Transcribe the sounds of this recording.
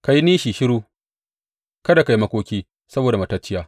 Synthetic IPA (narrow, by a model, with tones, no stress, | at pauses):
ka˨ji˦niː˦ʃiː˨ʃɪ˦ɽuː˦ | kɐ˦da˨ka˨ji˦mɐ˦kʷoː˦kʲiː˦ | sɐ˦boː˨da˨mɐ˨tɐ˦t͡ʃːɪ˦jaː˨